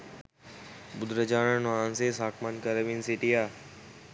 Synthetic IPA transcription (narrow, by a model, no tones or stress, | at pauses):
bʊd̪ɾəd͡ʒaːnənʋaːnsesaːkmankɐɾɐʋinsiʈijaː